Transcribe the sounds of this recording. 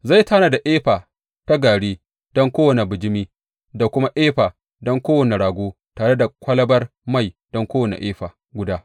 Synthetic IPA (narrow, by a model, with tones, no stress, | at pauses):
za˦˨jtaː˦na˨da˨ʔeː˦ɸaː˨ | ta˦ɡaː˨ɽiː˦ | d̥ɔ˦ŋkʷoː˦wɐ˨ne˨bɪ˨d͡ʒɪ˦miː˦ | da˨kʷʊ˦ma˦ʔeː˦ɸaː˨ | dɔ˦ŋkʷoː˦wɐ˨ne˨ɽaː˨ɡʷoː˦ | taː˨ɽe˦da˨kʷɐ˦lɐ˦bɐ˦rma˦˨jd̥ɔ˦ŋkʷoː˦wɐ˨nḛ˨ʔeː˦ɸaː˨ | ɡʷʊ˦daː˦